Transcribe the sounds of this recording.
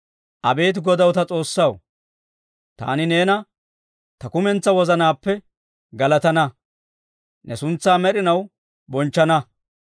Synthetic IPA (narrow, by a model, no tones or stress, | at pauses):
ʔɐbe̞ːt̪̬ɡɔd̪ɐwt̪ɐt͡sʼo̞ːsːɐw | t̪a̰ːnɪne̞ːnɐ | t̪ɐkʊmɛnt͡sːɐwɔzɐnaːpːɛ | ɡɐlɐt̪ɐnɐ | nʔɛsʊnt͡sːaːmɛɗɪnɐw | bɔnt͡ʃːɐnɐ